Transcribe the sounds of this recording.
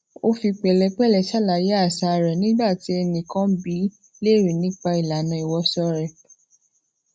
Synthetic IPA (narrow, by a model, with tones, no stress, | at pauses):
o˧fi˧k͡pɛ˨lɛ˧k͡pɛ˦lɛ˧ʃa˦˨la˨je˦a˦˨sa˧ɾɛ˨nĩ˦ba˦˨ti˨˦e˧nĩ˧kã˦bi˨˦ | le˦˨ɾi˨nĩ˨˦k͡pa˧i˨la˨˦nã˧i˨wɔ˧sɔ˧ɾɛ˨